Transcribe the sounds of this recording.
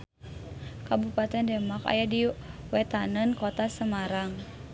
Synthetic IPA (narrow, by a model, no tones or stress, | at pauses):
kabupat̪ɛndɛmaka̰jadiwɛt̪anənkɔt̪asəmaɾaŋ